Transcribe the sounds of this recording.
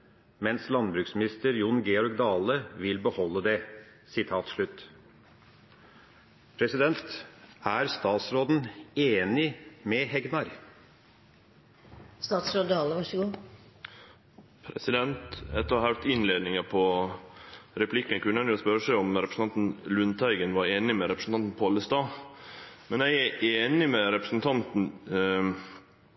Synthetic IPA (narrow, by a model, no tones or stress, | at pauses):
mɛnslɑnbɾʉːksmɪnɪst̪əɾjʊnɡeːɔɾk̚d̪ɑːləʋɪlbəhɔlːəd̪ɛ | sɪt̪ʰɑːt̪ʂɭʉt̪ː | pʰɾɛsɪd̪ɛnt̪æːɾst̪ɑːt̪sɾoːd̪n̩eːnɪmɛhɛɡnɑɾ | st̪ɑːt̪sɾoːd̪ɑːləʋɑʂəɡuː | pʰɾɛ̰sɪd̪ɛnt̪ɛ̰t̪ːɔhæɾt̪ɪnleːd̪nɪŋəpʰɔ | ɾɛpʰlɪkːənkʰʉnːænjʊospœɾəʂæɪɔmɾɛpɾəsn̩ɑnt̪n̩lʉnt̪ʰæɪɡənʋɑɾeːnɪmɛɾɛpɾəsn̩ɑnt̪n̩pʰoːləst̪ɑː | mɛnæɪæʔeːnɪmɛɾɛpɾəsn̩t̪ʰɑnt̪n̩